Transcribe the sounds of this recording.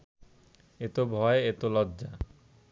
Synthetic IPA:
et̪obʱɔeet̪olɔdːd͡ʑa

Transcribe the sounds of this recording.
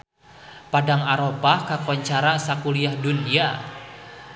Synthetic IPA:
padaŋaɾopakakɔɲt͡ʃaɾasakuliahdunia

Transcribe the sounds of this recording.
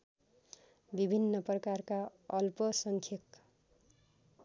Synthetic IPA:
bibʱinːʌprʌkarkaʌlpʌsʌŋkʰjʌk

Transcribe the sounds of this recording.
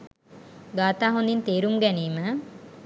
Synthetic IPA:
ɡaːt̪aːɦond̪int̪eːɾumɡæniːmə

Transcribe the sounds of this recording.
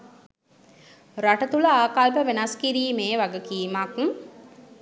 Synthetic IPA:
ɾaʈət̪uləaːkalpəʋenaskiɾiːmeːʋaɡəkiːmak

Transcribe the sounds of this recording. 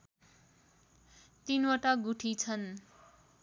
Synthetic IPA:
t̪inwaʈaɡuʈʰit͡sʰʌn

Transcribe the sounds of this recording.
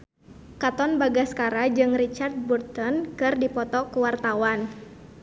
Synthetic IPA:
kat̪ɔnbaɡaskaɾad͡ʒɨŋrit͡ʃart̪̚burt̪ɔnkɨrdipɔt̪ɔkuwart̪awan

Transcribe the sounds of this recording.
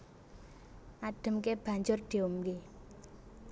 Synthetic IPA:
ʔaɖ̥ə̤mkeb̥ä̤ɲd͡ʒʊrd̪̥i̤omke

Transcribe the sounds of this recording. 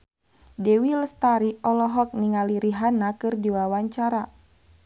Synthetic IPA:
dɛwiləst̪aɾiɔlɔɦɔk̚niŋaliɾiɦanakɨrdiwawaɲt͡ʃaɾa

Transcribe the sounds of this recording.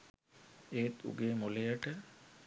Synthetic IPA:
eːt̪ṵɡeːmolejəʈə

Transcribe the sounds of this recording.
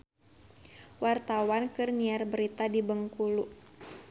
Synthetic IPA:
wart̪awankɨrniarbəɾit̪adibəŋkulu

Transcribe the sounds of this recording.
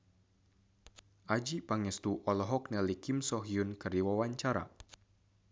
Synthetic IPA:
ʔad͡ʒipaŋɛst̪uʔɔlɔɦɔk̚nɛlikimsɔɦiunkɨrdiwawaɲt͡ʃaɾa̰

